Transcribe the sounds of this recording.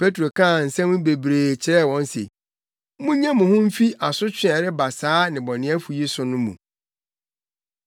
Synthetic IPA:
pʰe˦tɾo˨kʰã˦˨n̩˨sɛ̃˦mʊ̃˦be˨bɾeː˨t͡ɕʰɪ˨ɾɛ˦˨wɔ̃˦nsḛ˨ | mʊ̃˦ɲɛ̃˦mʊ̃˨hʊ̃˦m̩˦fi˦ʔa˨sʊ˦t͡ɕʰᶣɪ˦ɛ˨ɾɪ˦ba˨saː˦nɪ̃˨bɔ˨nɪ̃˨˦æ˦fu˨ji˦sʊ˨nʊ̃˦mṵ̃˨

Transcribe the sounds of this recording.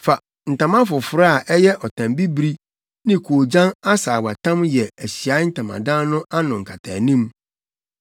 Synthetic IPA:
fa˨ | n̩˨tã˨mã˦fʊ˨fʊ˨ɾa˦a˨ʔɛ˦jɛ˦ʔɔ˨tʰã˨mbi˦bɾi˦ | nɪ̃˦kʰo˨d͡ʑã˦na˦saː˨wa˨tʰã˦mjɛ˨æ˨ɕi˨a˨˦n̩˦tʰã˨mã̰˨dã˦nnʊ̃˦ʔa˦nʊ̃˨ŋ̩˨kʰa˨tʰa̰˨nĩ˦m

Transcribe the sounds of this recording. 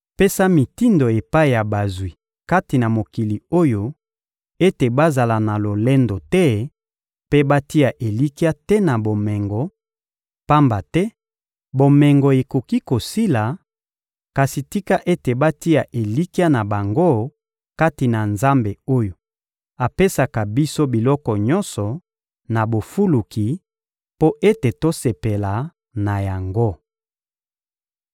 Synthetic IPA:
pe˦sa˦mi˨ti˦ndo˨e˨pa˦i˨ja˨ba˨zwi˨ | ka˦ti˨na˨mo˨ki˨li˨o˦jo˦ | e˦te˨ba˦za˨la˨na˨lo˨lɛ˦ndo˨tɛ˦ | pe˦ba˦ti˦a˨ʔe˨li˦ki˦a˦tɛ˦na˨bo˨mɛ˨ŋɡɔ˨ | pa˦mba˨tɛ˦ | bo˨mɛ˨ŋɡɔ˨e˨ko˨ki˦ko˨si˦la˨ | ka˨si˨ti˦ka˦ʔe˦te˨ba˦ti˦ja˨ʔe˨li˦ki˦a˦na˨ba˨ŋɡo˦ | ka˦ti˨na˨nza˦mbe˨o˦jo˨ | a˨pe˦sa˨ka˨bi˦so˦bi˨lɔ˦kɔ˨ɲɔ̃˦nsɔ˨ | na˨bo˨fu˦lu˨ki˨ | po˦ʔe˦te˨to˦se˨pe˨la˨ | na˨ja˨ŋɡo˦

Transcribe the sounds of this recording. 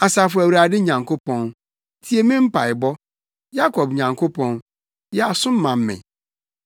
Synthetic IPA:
a˨sa˨fʊ˨æ˨wɾa˨dɪ˦ɲã˨ŋkʰo˦pɔ̃˨n | tʰi˨˦e˨mĩ˦m̩˦pʰa˨ɪ˨bɔ˦ | ja˦kʰɔ˨bɲã˨ŋkʰo˦pʰɔ̃˦n | jɛ˦a˨sʊ̃˦m̩˦mã˨m̩˦mɪ̰̃˨

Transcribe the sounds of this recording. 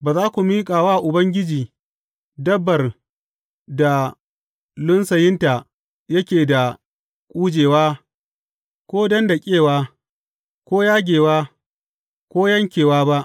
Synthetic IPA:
baː˨zaː˦kʷu˨miː˦kʼaː˨waː˦˨ʔʊ˨bɐ˦ŋɡʲɪ˦d͡ʒiː˨ | dɐ˦bːɐ˨r | da˨ | lʊ˦nsɐ˨jɪ˦nta˨ | jɐ˦kʲeː˨da˨ | kʷʼuː˦d͡ʒeː˨waː˦ | kʷoː˦dɐ˦nda˨kʲʼeː˦˨waː˦ | kʷoː˦jaː˦ɡʲeː˨waː˦ | kʷoː˦jɐ˦ŋkʲeː˨waː˦ba˦ʔ

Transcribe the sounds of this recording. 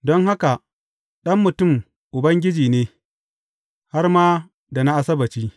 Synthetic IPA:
dɔ˦ŋha˦ka˨ | ɗɐ˦mːʊ˨tʊ˦˨m | ʔʊ˨bɐ˦ŋɡʲɪ˦d͡ʒiː˨neː˦ | ha˦rmaː˦ | da˨na˦ʔa˦˨sɐ˦bɐ˨t͡ʃiː˦

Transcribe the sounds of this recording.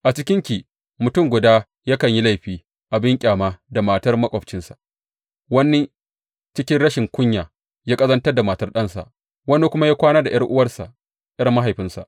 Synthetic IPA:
ʔa˨t͡ʃɪ˦kʲɪ˦ŋkʲiː˨ | mʊ˨tʊ˦˨ŋɡʷʊ˨daː˦ | jaː˦kɐ˨ɲji˦la˦jɸiː˦ | ʔa˨bɪ˦ŋkʲʼaː˨maː˦da˨maː˨tɐ˦rmɐ˦kʷʼɔ˨ɸt͡ʃɪ˦nsḁ˨ʔ | wɐ˦nːi˦ | t͡ʃɪ˦kʲɪ˦nɽɐ˦ʃɪ˨ŋkʷʊ˦ɲjaː˨ | jaː˦kʼɐ˦zɐ˦ntɐ˦rda˨maː˨tɐ˦rɗɐ˦nsa̰˨ʔ | wɐ˦ni˦kʷʊ˦ma˦jaː˦kʷaː˦naː˦da˨jɐ˦rʔʊ˦wɐ˦rsa̰˨ʔ | jɐ˦rma˦ɦa˨jɸɪ˦nsa̰˨ʔ

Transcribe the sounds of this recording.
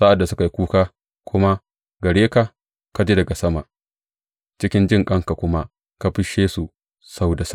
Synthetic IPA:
sa˦ʔa˨dːa˨sʊ˦ka˨ji˦kʷuː˦kaː˦ | kʷʰʊ˦ma˦ | ɡɐ˨ɽeː˦ka˨ | ka˦d͡ʒe˦dɐ˨ɡa˨sɐ˦ma˨ʔ | t͡ʃɪ˦kʲɪ˦nd͡ʒɪ˦˨ŋkʼɐ˦ŋka˨kʷʊ˦ma˦ | ka˦ɸɪ˦ʃeː˦su˨ | sa˦wda˨sa˦˨

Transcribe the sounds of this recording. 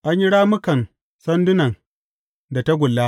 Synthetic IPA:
ʔa˦ɲji˦ɽaː˦mʊ˦kɐ˨n | sɐ˦ndʊ˦nɐ˨n | da˨ta˦ɡʷʊ˨lːa˦

